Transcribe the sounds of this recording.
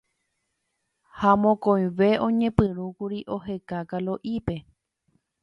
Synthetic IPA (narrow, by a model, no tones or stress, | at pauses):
hamõkõj̃ʋe̞ʔõ̞ɲẽ̞pɨɾukuɾiʔo̞ɦe̞kakalo̞ʔipe̞